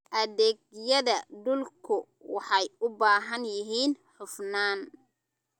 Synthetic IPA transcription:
ʔɐðɛːɡjɐðɐɖʊlkʰʊ | wɑħɑjʊbaːɦɐnjɪɦiːnħʊfnaːn

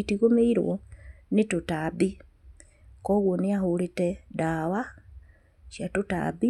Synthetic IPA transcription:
itiɣomeiɾwɔ̰ | netotabi | kɔːɣwɔneahoɾetɛdaːwa | ʃjatota̰bi

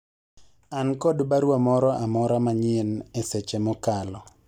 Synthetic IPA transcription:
ankɔdbaɾwamɔɾɔʔamɔɾamaɲɪnesɛt͡ʃɛmɔkalɔ

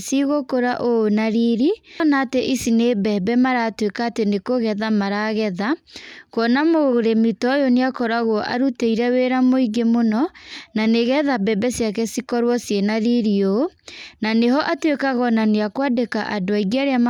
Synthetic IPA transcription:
siɣokoɾaʔonaɾiɾinaːteʔisinebɛbɛmaɾaːtwekaːtenekoɣɛðamaɾaɣɛðakɔnamoɾemitɔjoneakɔɾaɣoʔa̰ɾuteiɾɛweːɾamoiɡemonɔnaneɣɛðabɛbɛsjakɛsikɔɾwɔsjenaɾiɾionaneɦɔʔatwekaɣɔnaneakwadeka̰ʔadoaiɣiaɾeama

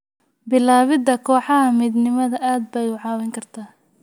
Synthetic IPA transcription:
bɪlaːβɪd̪ɐkʰɔːħɑɦɐmiːd̪nɪmɐðɐʔaːd̪̚bɛjʊʕɑːwɛŋkʰɐrt̪ʰaː

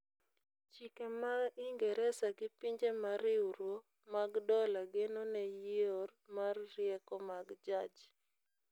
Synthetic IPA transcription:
t͡ʃikemaiŋɡɛɾɛsaɡɪpiɲd͡ʒemaɾɪuɾwo | maɡdɔlaɡenonɛjiɔrmarːjɛkɔmaɡd͡ʒad͡ʒ

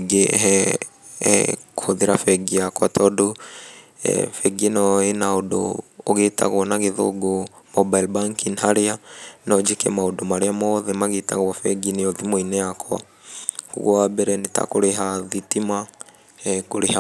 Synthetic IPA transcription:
ɡeɦɛ̰ | kohoðeɾafɛɡiakwatɔdo̰ | fɛɡenɔenaodo̰ːɣeta̰ɣwɔnaɣeðo̰ɡomɔbailbaŋkinhaɾeanɔd͡ʒekɛ̰maodomaɾeamɔðɛmaɣeta̰ɣwafɛɡineɔðimoinɛakwa̰ | kṵɣwabɛɾɛneta̰koɾeɦaðitima | ɛkoɾeha

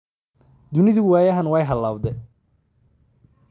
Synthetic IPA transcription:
d̪ʊnɪðɪwæːjɐɦɐnwɛjɦɐlaːwd̪ɛ

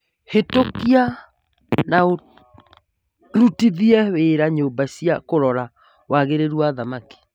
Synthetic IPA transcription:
hetokia | nao | ɾutiðiɛweːɾaɲobasiakoɾɔɾa | wʔaɣeɾeɾwaðamaki̥

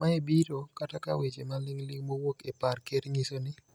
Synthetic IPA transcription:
maebiɾokatakawet͡ʃemalɪŋlɪŋmowokeparkeɾɲisonɪ

